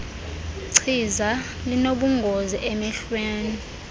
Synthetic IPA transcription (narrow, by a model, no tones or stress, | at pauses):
ǀʰiza | linoɓuŋɡʱoziʔemiɬweːni